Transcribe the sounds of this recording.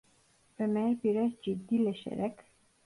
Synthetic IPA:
væmæɾbiɾæd͡ʒid̪ːilæʃæ̰ɾæk

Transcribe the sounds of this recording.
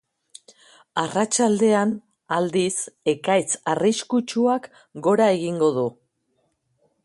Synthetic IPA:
arat͡ʃald̪e̞an | ald̪ise̞kajt͡sariskut͡ʃuak | ɡo̞ɾae̞ɣiŋɡo̞ðu

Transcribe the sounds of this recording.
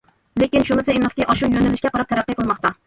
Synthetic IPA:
lekʲɪnʃʊmɪsaemnɨχkʲɪʔɒʃʊwjonɪlɪʃkʲaqʰɑɾap̚t̪ʰaɾaqːɨjqʰɨlˠmɒq̚t̪a

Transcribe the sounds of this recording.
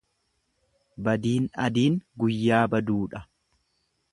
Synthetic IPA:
bɐd̪iːnɐd̪iːŋɡʊjːaːbɐd̪uːᶑɐ

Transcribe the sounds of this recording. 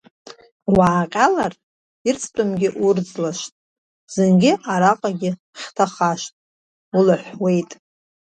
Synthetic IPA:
waːqʲʼalar | irt͡sʰʼpʰʼɨmɡʲɪʔurd͡zlaʃtʼ | z̥ɨŋɡʲɪʔaɾaqʼaɡʲɪ | χʲtʰaχaʃtʼ | ulħʷwe̞jtʼ

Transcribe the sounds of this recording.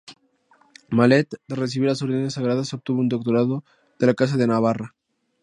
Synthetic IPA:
malet̪d̪eres̬iβilasoɾðenesːaɣɾaðasop̚t̪uβound̪ok̚t̪oɾaðo | ð̥elakas̬aðenaβ̞ara

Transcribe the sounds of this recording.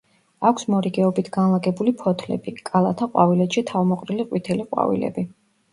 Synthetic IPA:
akʷʰsmɔɾiɡɛɔbit̪ʰɡ̥anlˠaɡɛbulipʰɔt̪ʰlɛ̰bikʼalˠat̪ʰaqʼwavilɛt̪ʃit̪ʰavmɔqʼɾiliqʼwit̪ʰɛliqʼwa̰vḭlɛ̰bi

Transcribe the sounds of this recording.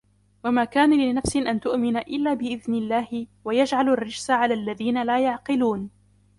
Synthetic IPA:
wamaːkaːnalɪɪnafsɪʔant̪ʊʔmɪnaʔɪlːaːbɪʔɪðnɪlːaːhɪwajad͡ʒʕalarːɪd͡ʒsaʕalaːlːaðiːnalaːjaʕqɪluːn

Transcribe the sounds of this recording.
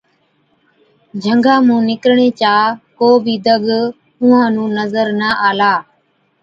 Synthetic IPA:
d͡ʒʱəŋɡãːmũːnɪkɾɳeːt͡ʃaːkoːbʱiːd̪əɠ | ʊ̃ːãːnũːnəzəɾnəːʔaːlaː

